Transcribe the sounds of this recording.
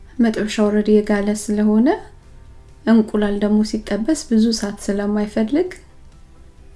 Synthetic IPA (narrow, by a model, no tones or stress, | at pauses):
mət̪ʼβʃawɔɾəd̪jɛɡaləsɨləho̞nə | ʔɨŋkʷʼulald̪əɡmo̞sit̪ʼːəbːəsbɨzusat̪sɨləmːajfəlːɨɡ